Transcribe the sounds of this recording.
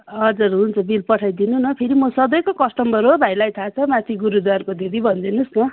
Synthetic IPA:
ʌd͡zurɦunt͡sʰʌbilpʌʈʰajd̪inunʌpʰeɾimʌsʌd̪ʌjkokʌsʈʌmbʌɾɦobʱajlajt̪ʰat͡sʰʌmãt̪ʰiɡuɾud̪warkod̪ʱid̪ʱibʱʌnd̪inusnʌ

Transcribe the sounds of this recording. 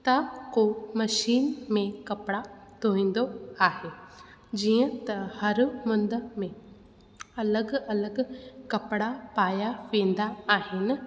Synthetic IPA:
t̪ɐkomɐʃiːnmẽkɐpɪɽat̪oːĩːnd̪oaːɦeː | d͡ʑiːə̃t̪ɐhɐɾmʊnd̪əmẽ | ɐləɡɐləɡkɐpɽapaːjapĩːn̆d̪aːɦɪnɪ̆

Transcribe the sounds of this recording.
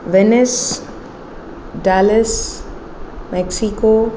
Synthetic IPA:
ʋɛnɪs | ɖaːləs | mɛksiko

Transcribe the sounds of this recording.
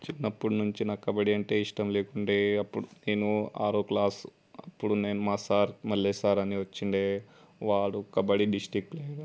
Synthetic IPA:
t͡ʃinːɐpːuɽnuɲt͡ʃinɐkːɐbɐɽiɐɳʈe̞ːiʂʈɐmleːkuɳɖeːɐpːuɽune̞ːnua̰ːɾoklaːs | ɐpːuɽune̞ːnumaːsaːɾmɐlːeːsaːɾɐniʋɐt͡ʃːiɳɖeː | ʋaːɽukːɐbɐɽiɖisʈɾik̚ʈleːɡaː

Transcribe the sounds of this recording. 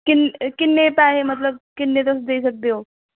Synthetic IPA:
kinkinːepaɦemət̪̬ləb̚kinːet̪osd̪eis̬ək̚d̪ejo

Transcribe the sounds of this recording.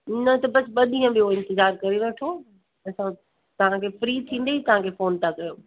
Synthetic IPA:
nɐt̪ɐbɐsɓɐd̪ʱĩːə̃ɓijoɪ̃nt̪ɪzaːɾkɐɾiʋɐʈʰo | ɐsã | t̪ɐʋ̤ãkʰeːfɾiːt̪ʰĩːn̆d̪eit̪ɐʋ̤ãkʰeːfoːnt̪ʰakɐjoː

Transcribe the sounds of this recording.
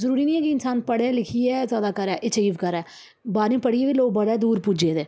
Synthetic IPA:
zəɾuːɾiːnĩːɛːkɪɪnsaːnpəɽẽlɪkʰiɛːzjaːd̪aːkəɾɛːʔɪt͡ʃiːʋkəɾɛː | baːɾnĩːpəɽiːeːʋiloːɡ̚bəɽɛːd̪uːɾpud͡ʒeːd̪eː

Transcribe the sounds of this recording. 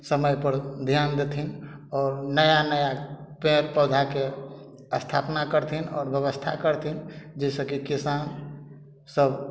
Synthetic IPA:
səməjpəɾd̪ʱjand̪et̪ʰinɔːɾnəjanəjapẽɾpəd̪ʱake | əst̪ʰapnakəɾt̪ʰinɔ̰ːɾbjəβəst̪ʰa̰kəɾt̪ʰind͡ʒɛsəkikisan | səb

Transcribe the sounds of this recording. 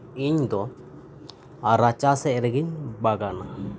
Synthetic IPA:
iɲd̪ɔ | aɾat͡ʃasɛɾɛɡiɲbaɡana

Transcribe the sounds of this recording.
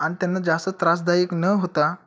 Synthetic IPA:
aɽ̃it̪janːad͡zast̪ət̪ɾas̬d̪ajəknəɦot̪a

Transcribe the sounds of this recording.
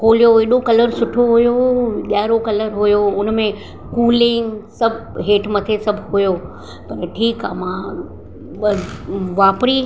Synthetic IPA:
kʰoːlijoeɗokɐləɾsʊʈʰoɦujoɠjaːɾokɐləɾɦujoʊnmẽ | kuːlɪ̃ŋɡsɐbʱɦeːʈʰmɐt̪ʰesɐbʱɦujo | pɐɾʈʰiːkaːmãː | ʋaːpɾi

